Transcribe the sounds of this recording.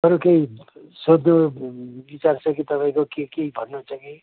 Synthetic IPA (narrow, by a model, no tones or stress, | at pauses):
ʌɾukeisod̪nobit͡sart͡sʰʌkit̪ʌpaĩkokekeibʱʌnːut͡sʰʌki